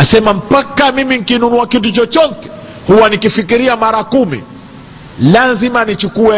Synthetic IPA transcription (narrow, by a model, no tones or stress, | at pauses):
nasɛmam̩pakamimiŋ̩kinunuakitut͡ʃɔt͡ʃɔtɛ̥ | huwanikifikiɾiamaɾakumḭ | lazimanit͡ʃukuɛ